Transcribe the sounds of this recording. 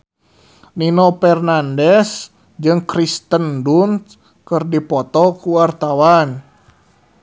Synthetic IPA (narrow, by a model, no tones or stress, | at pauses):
ninɔpɛrnandɛs | d͡ʒɨŋkɾist̪əndunt̪ | kɨrdipɔt̪ɔkuwart̪awan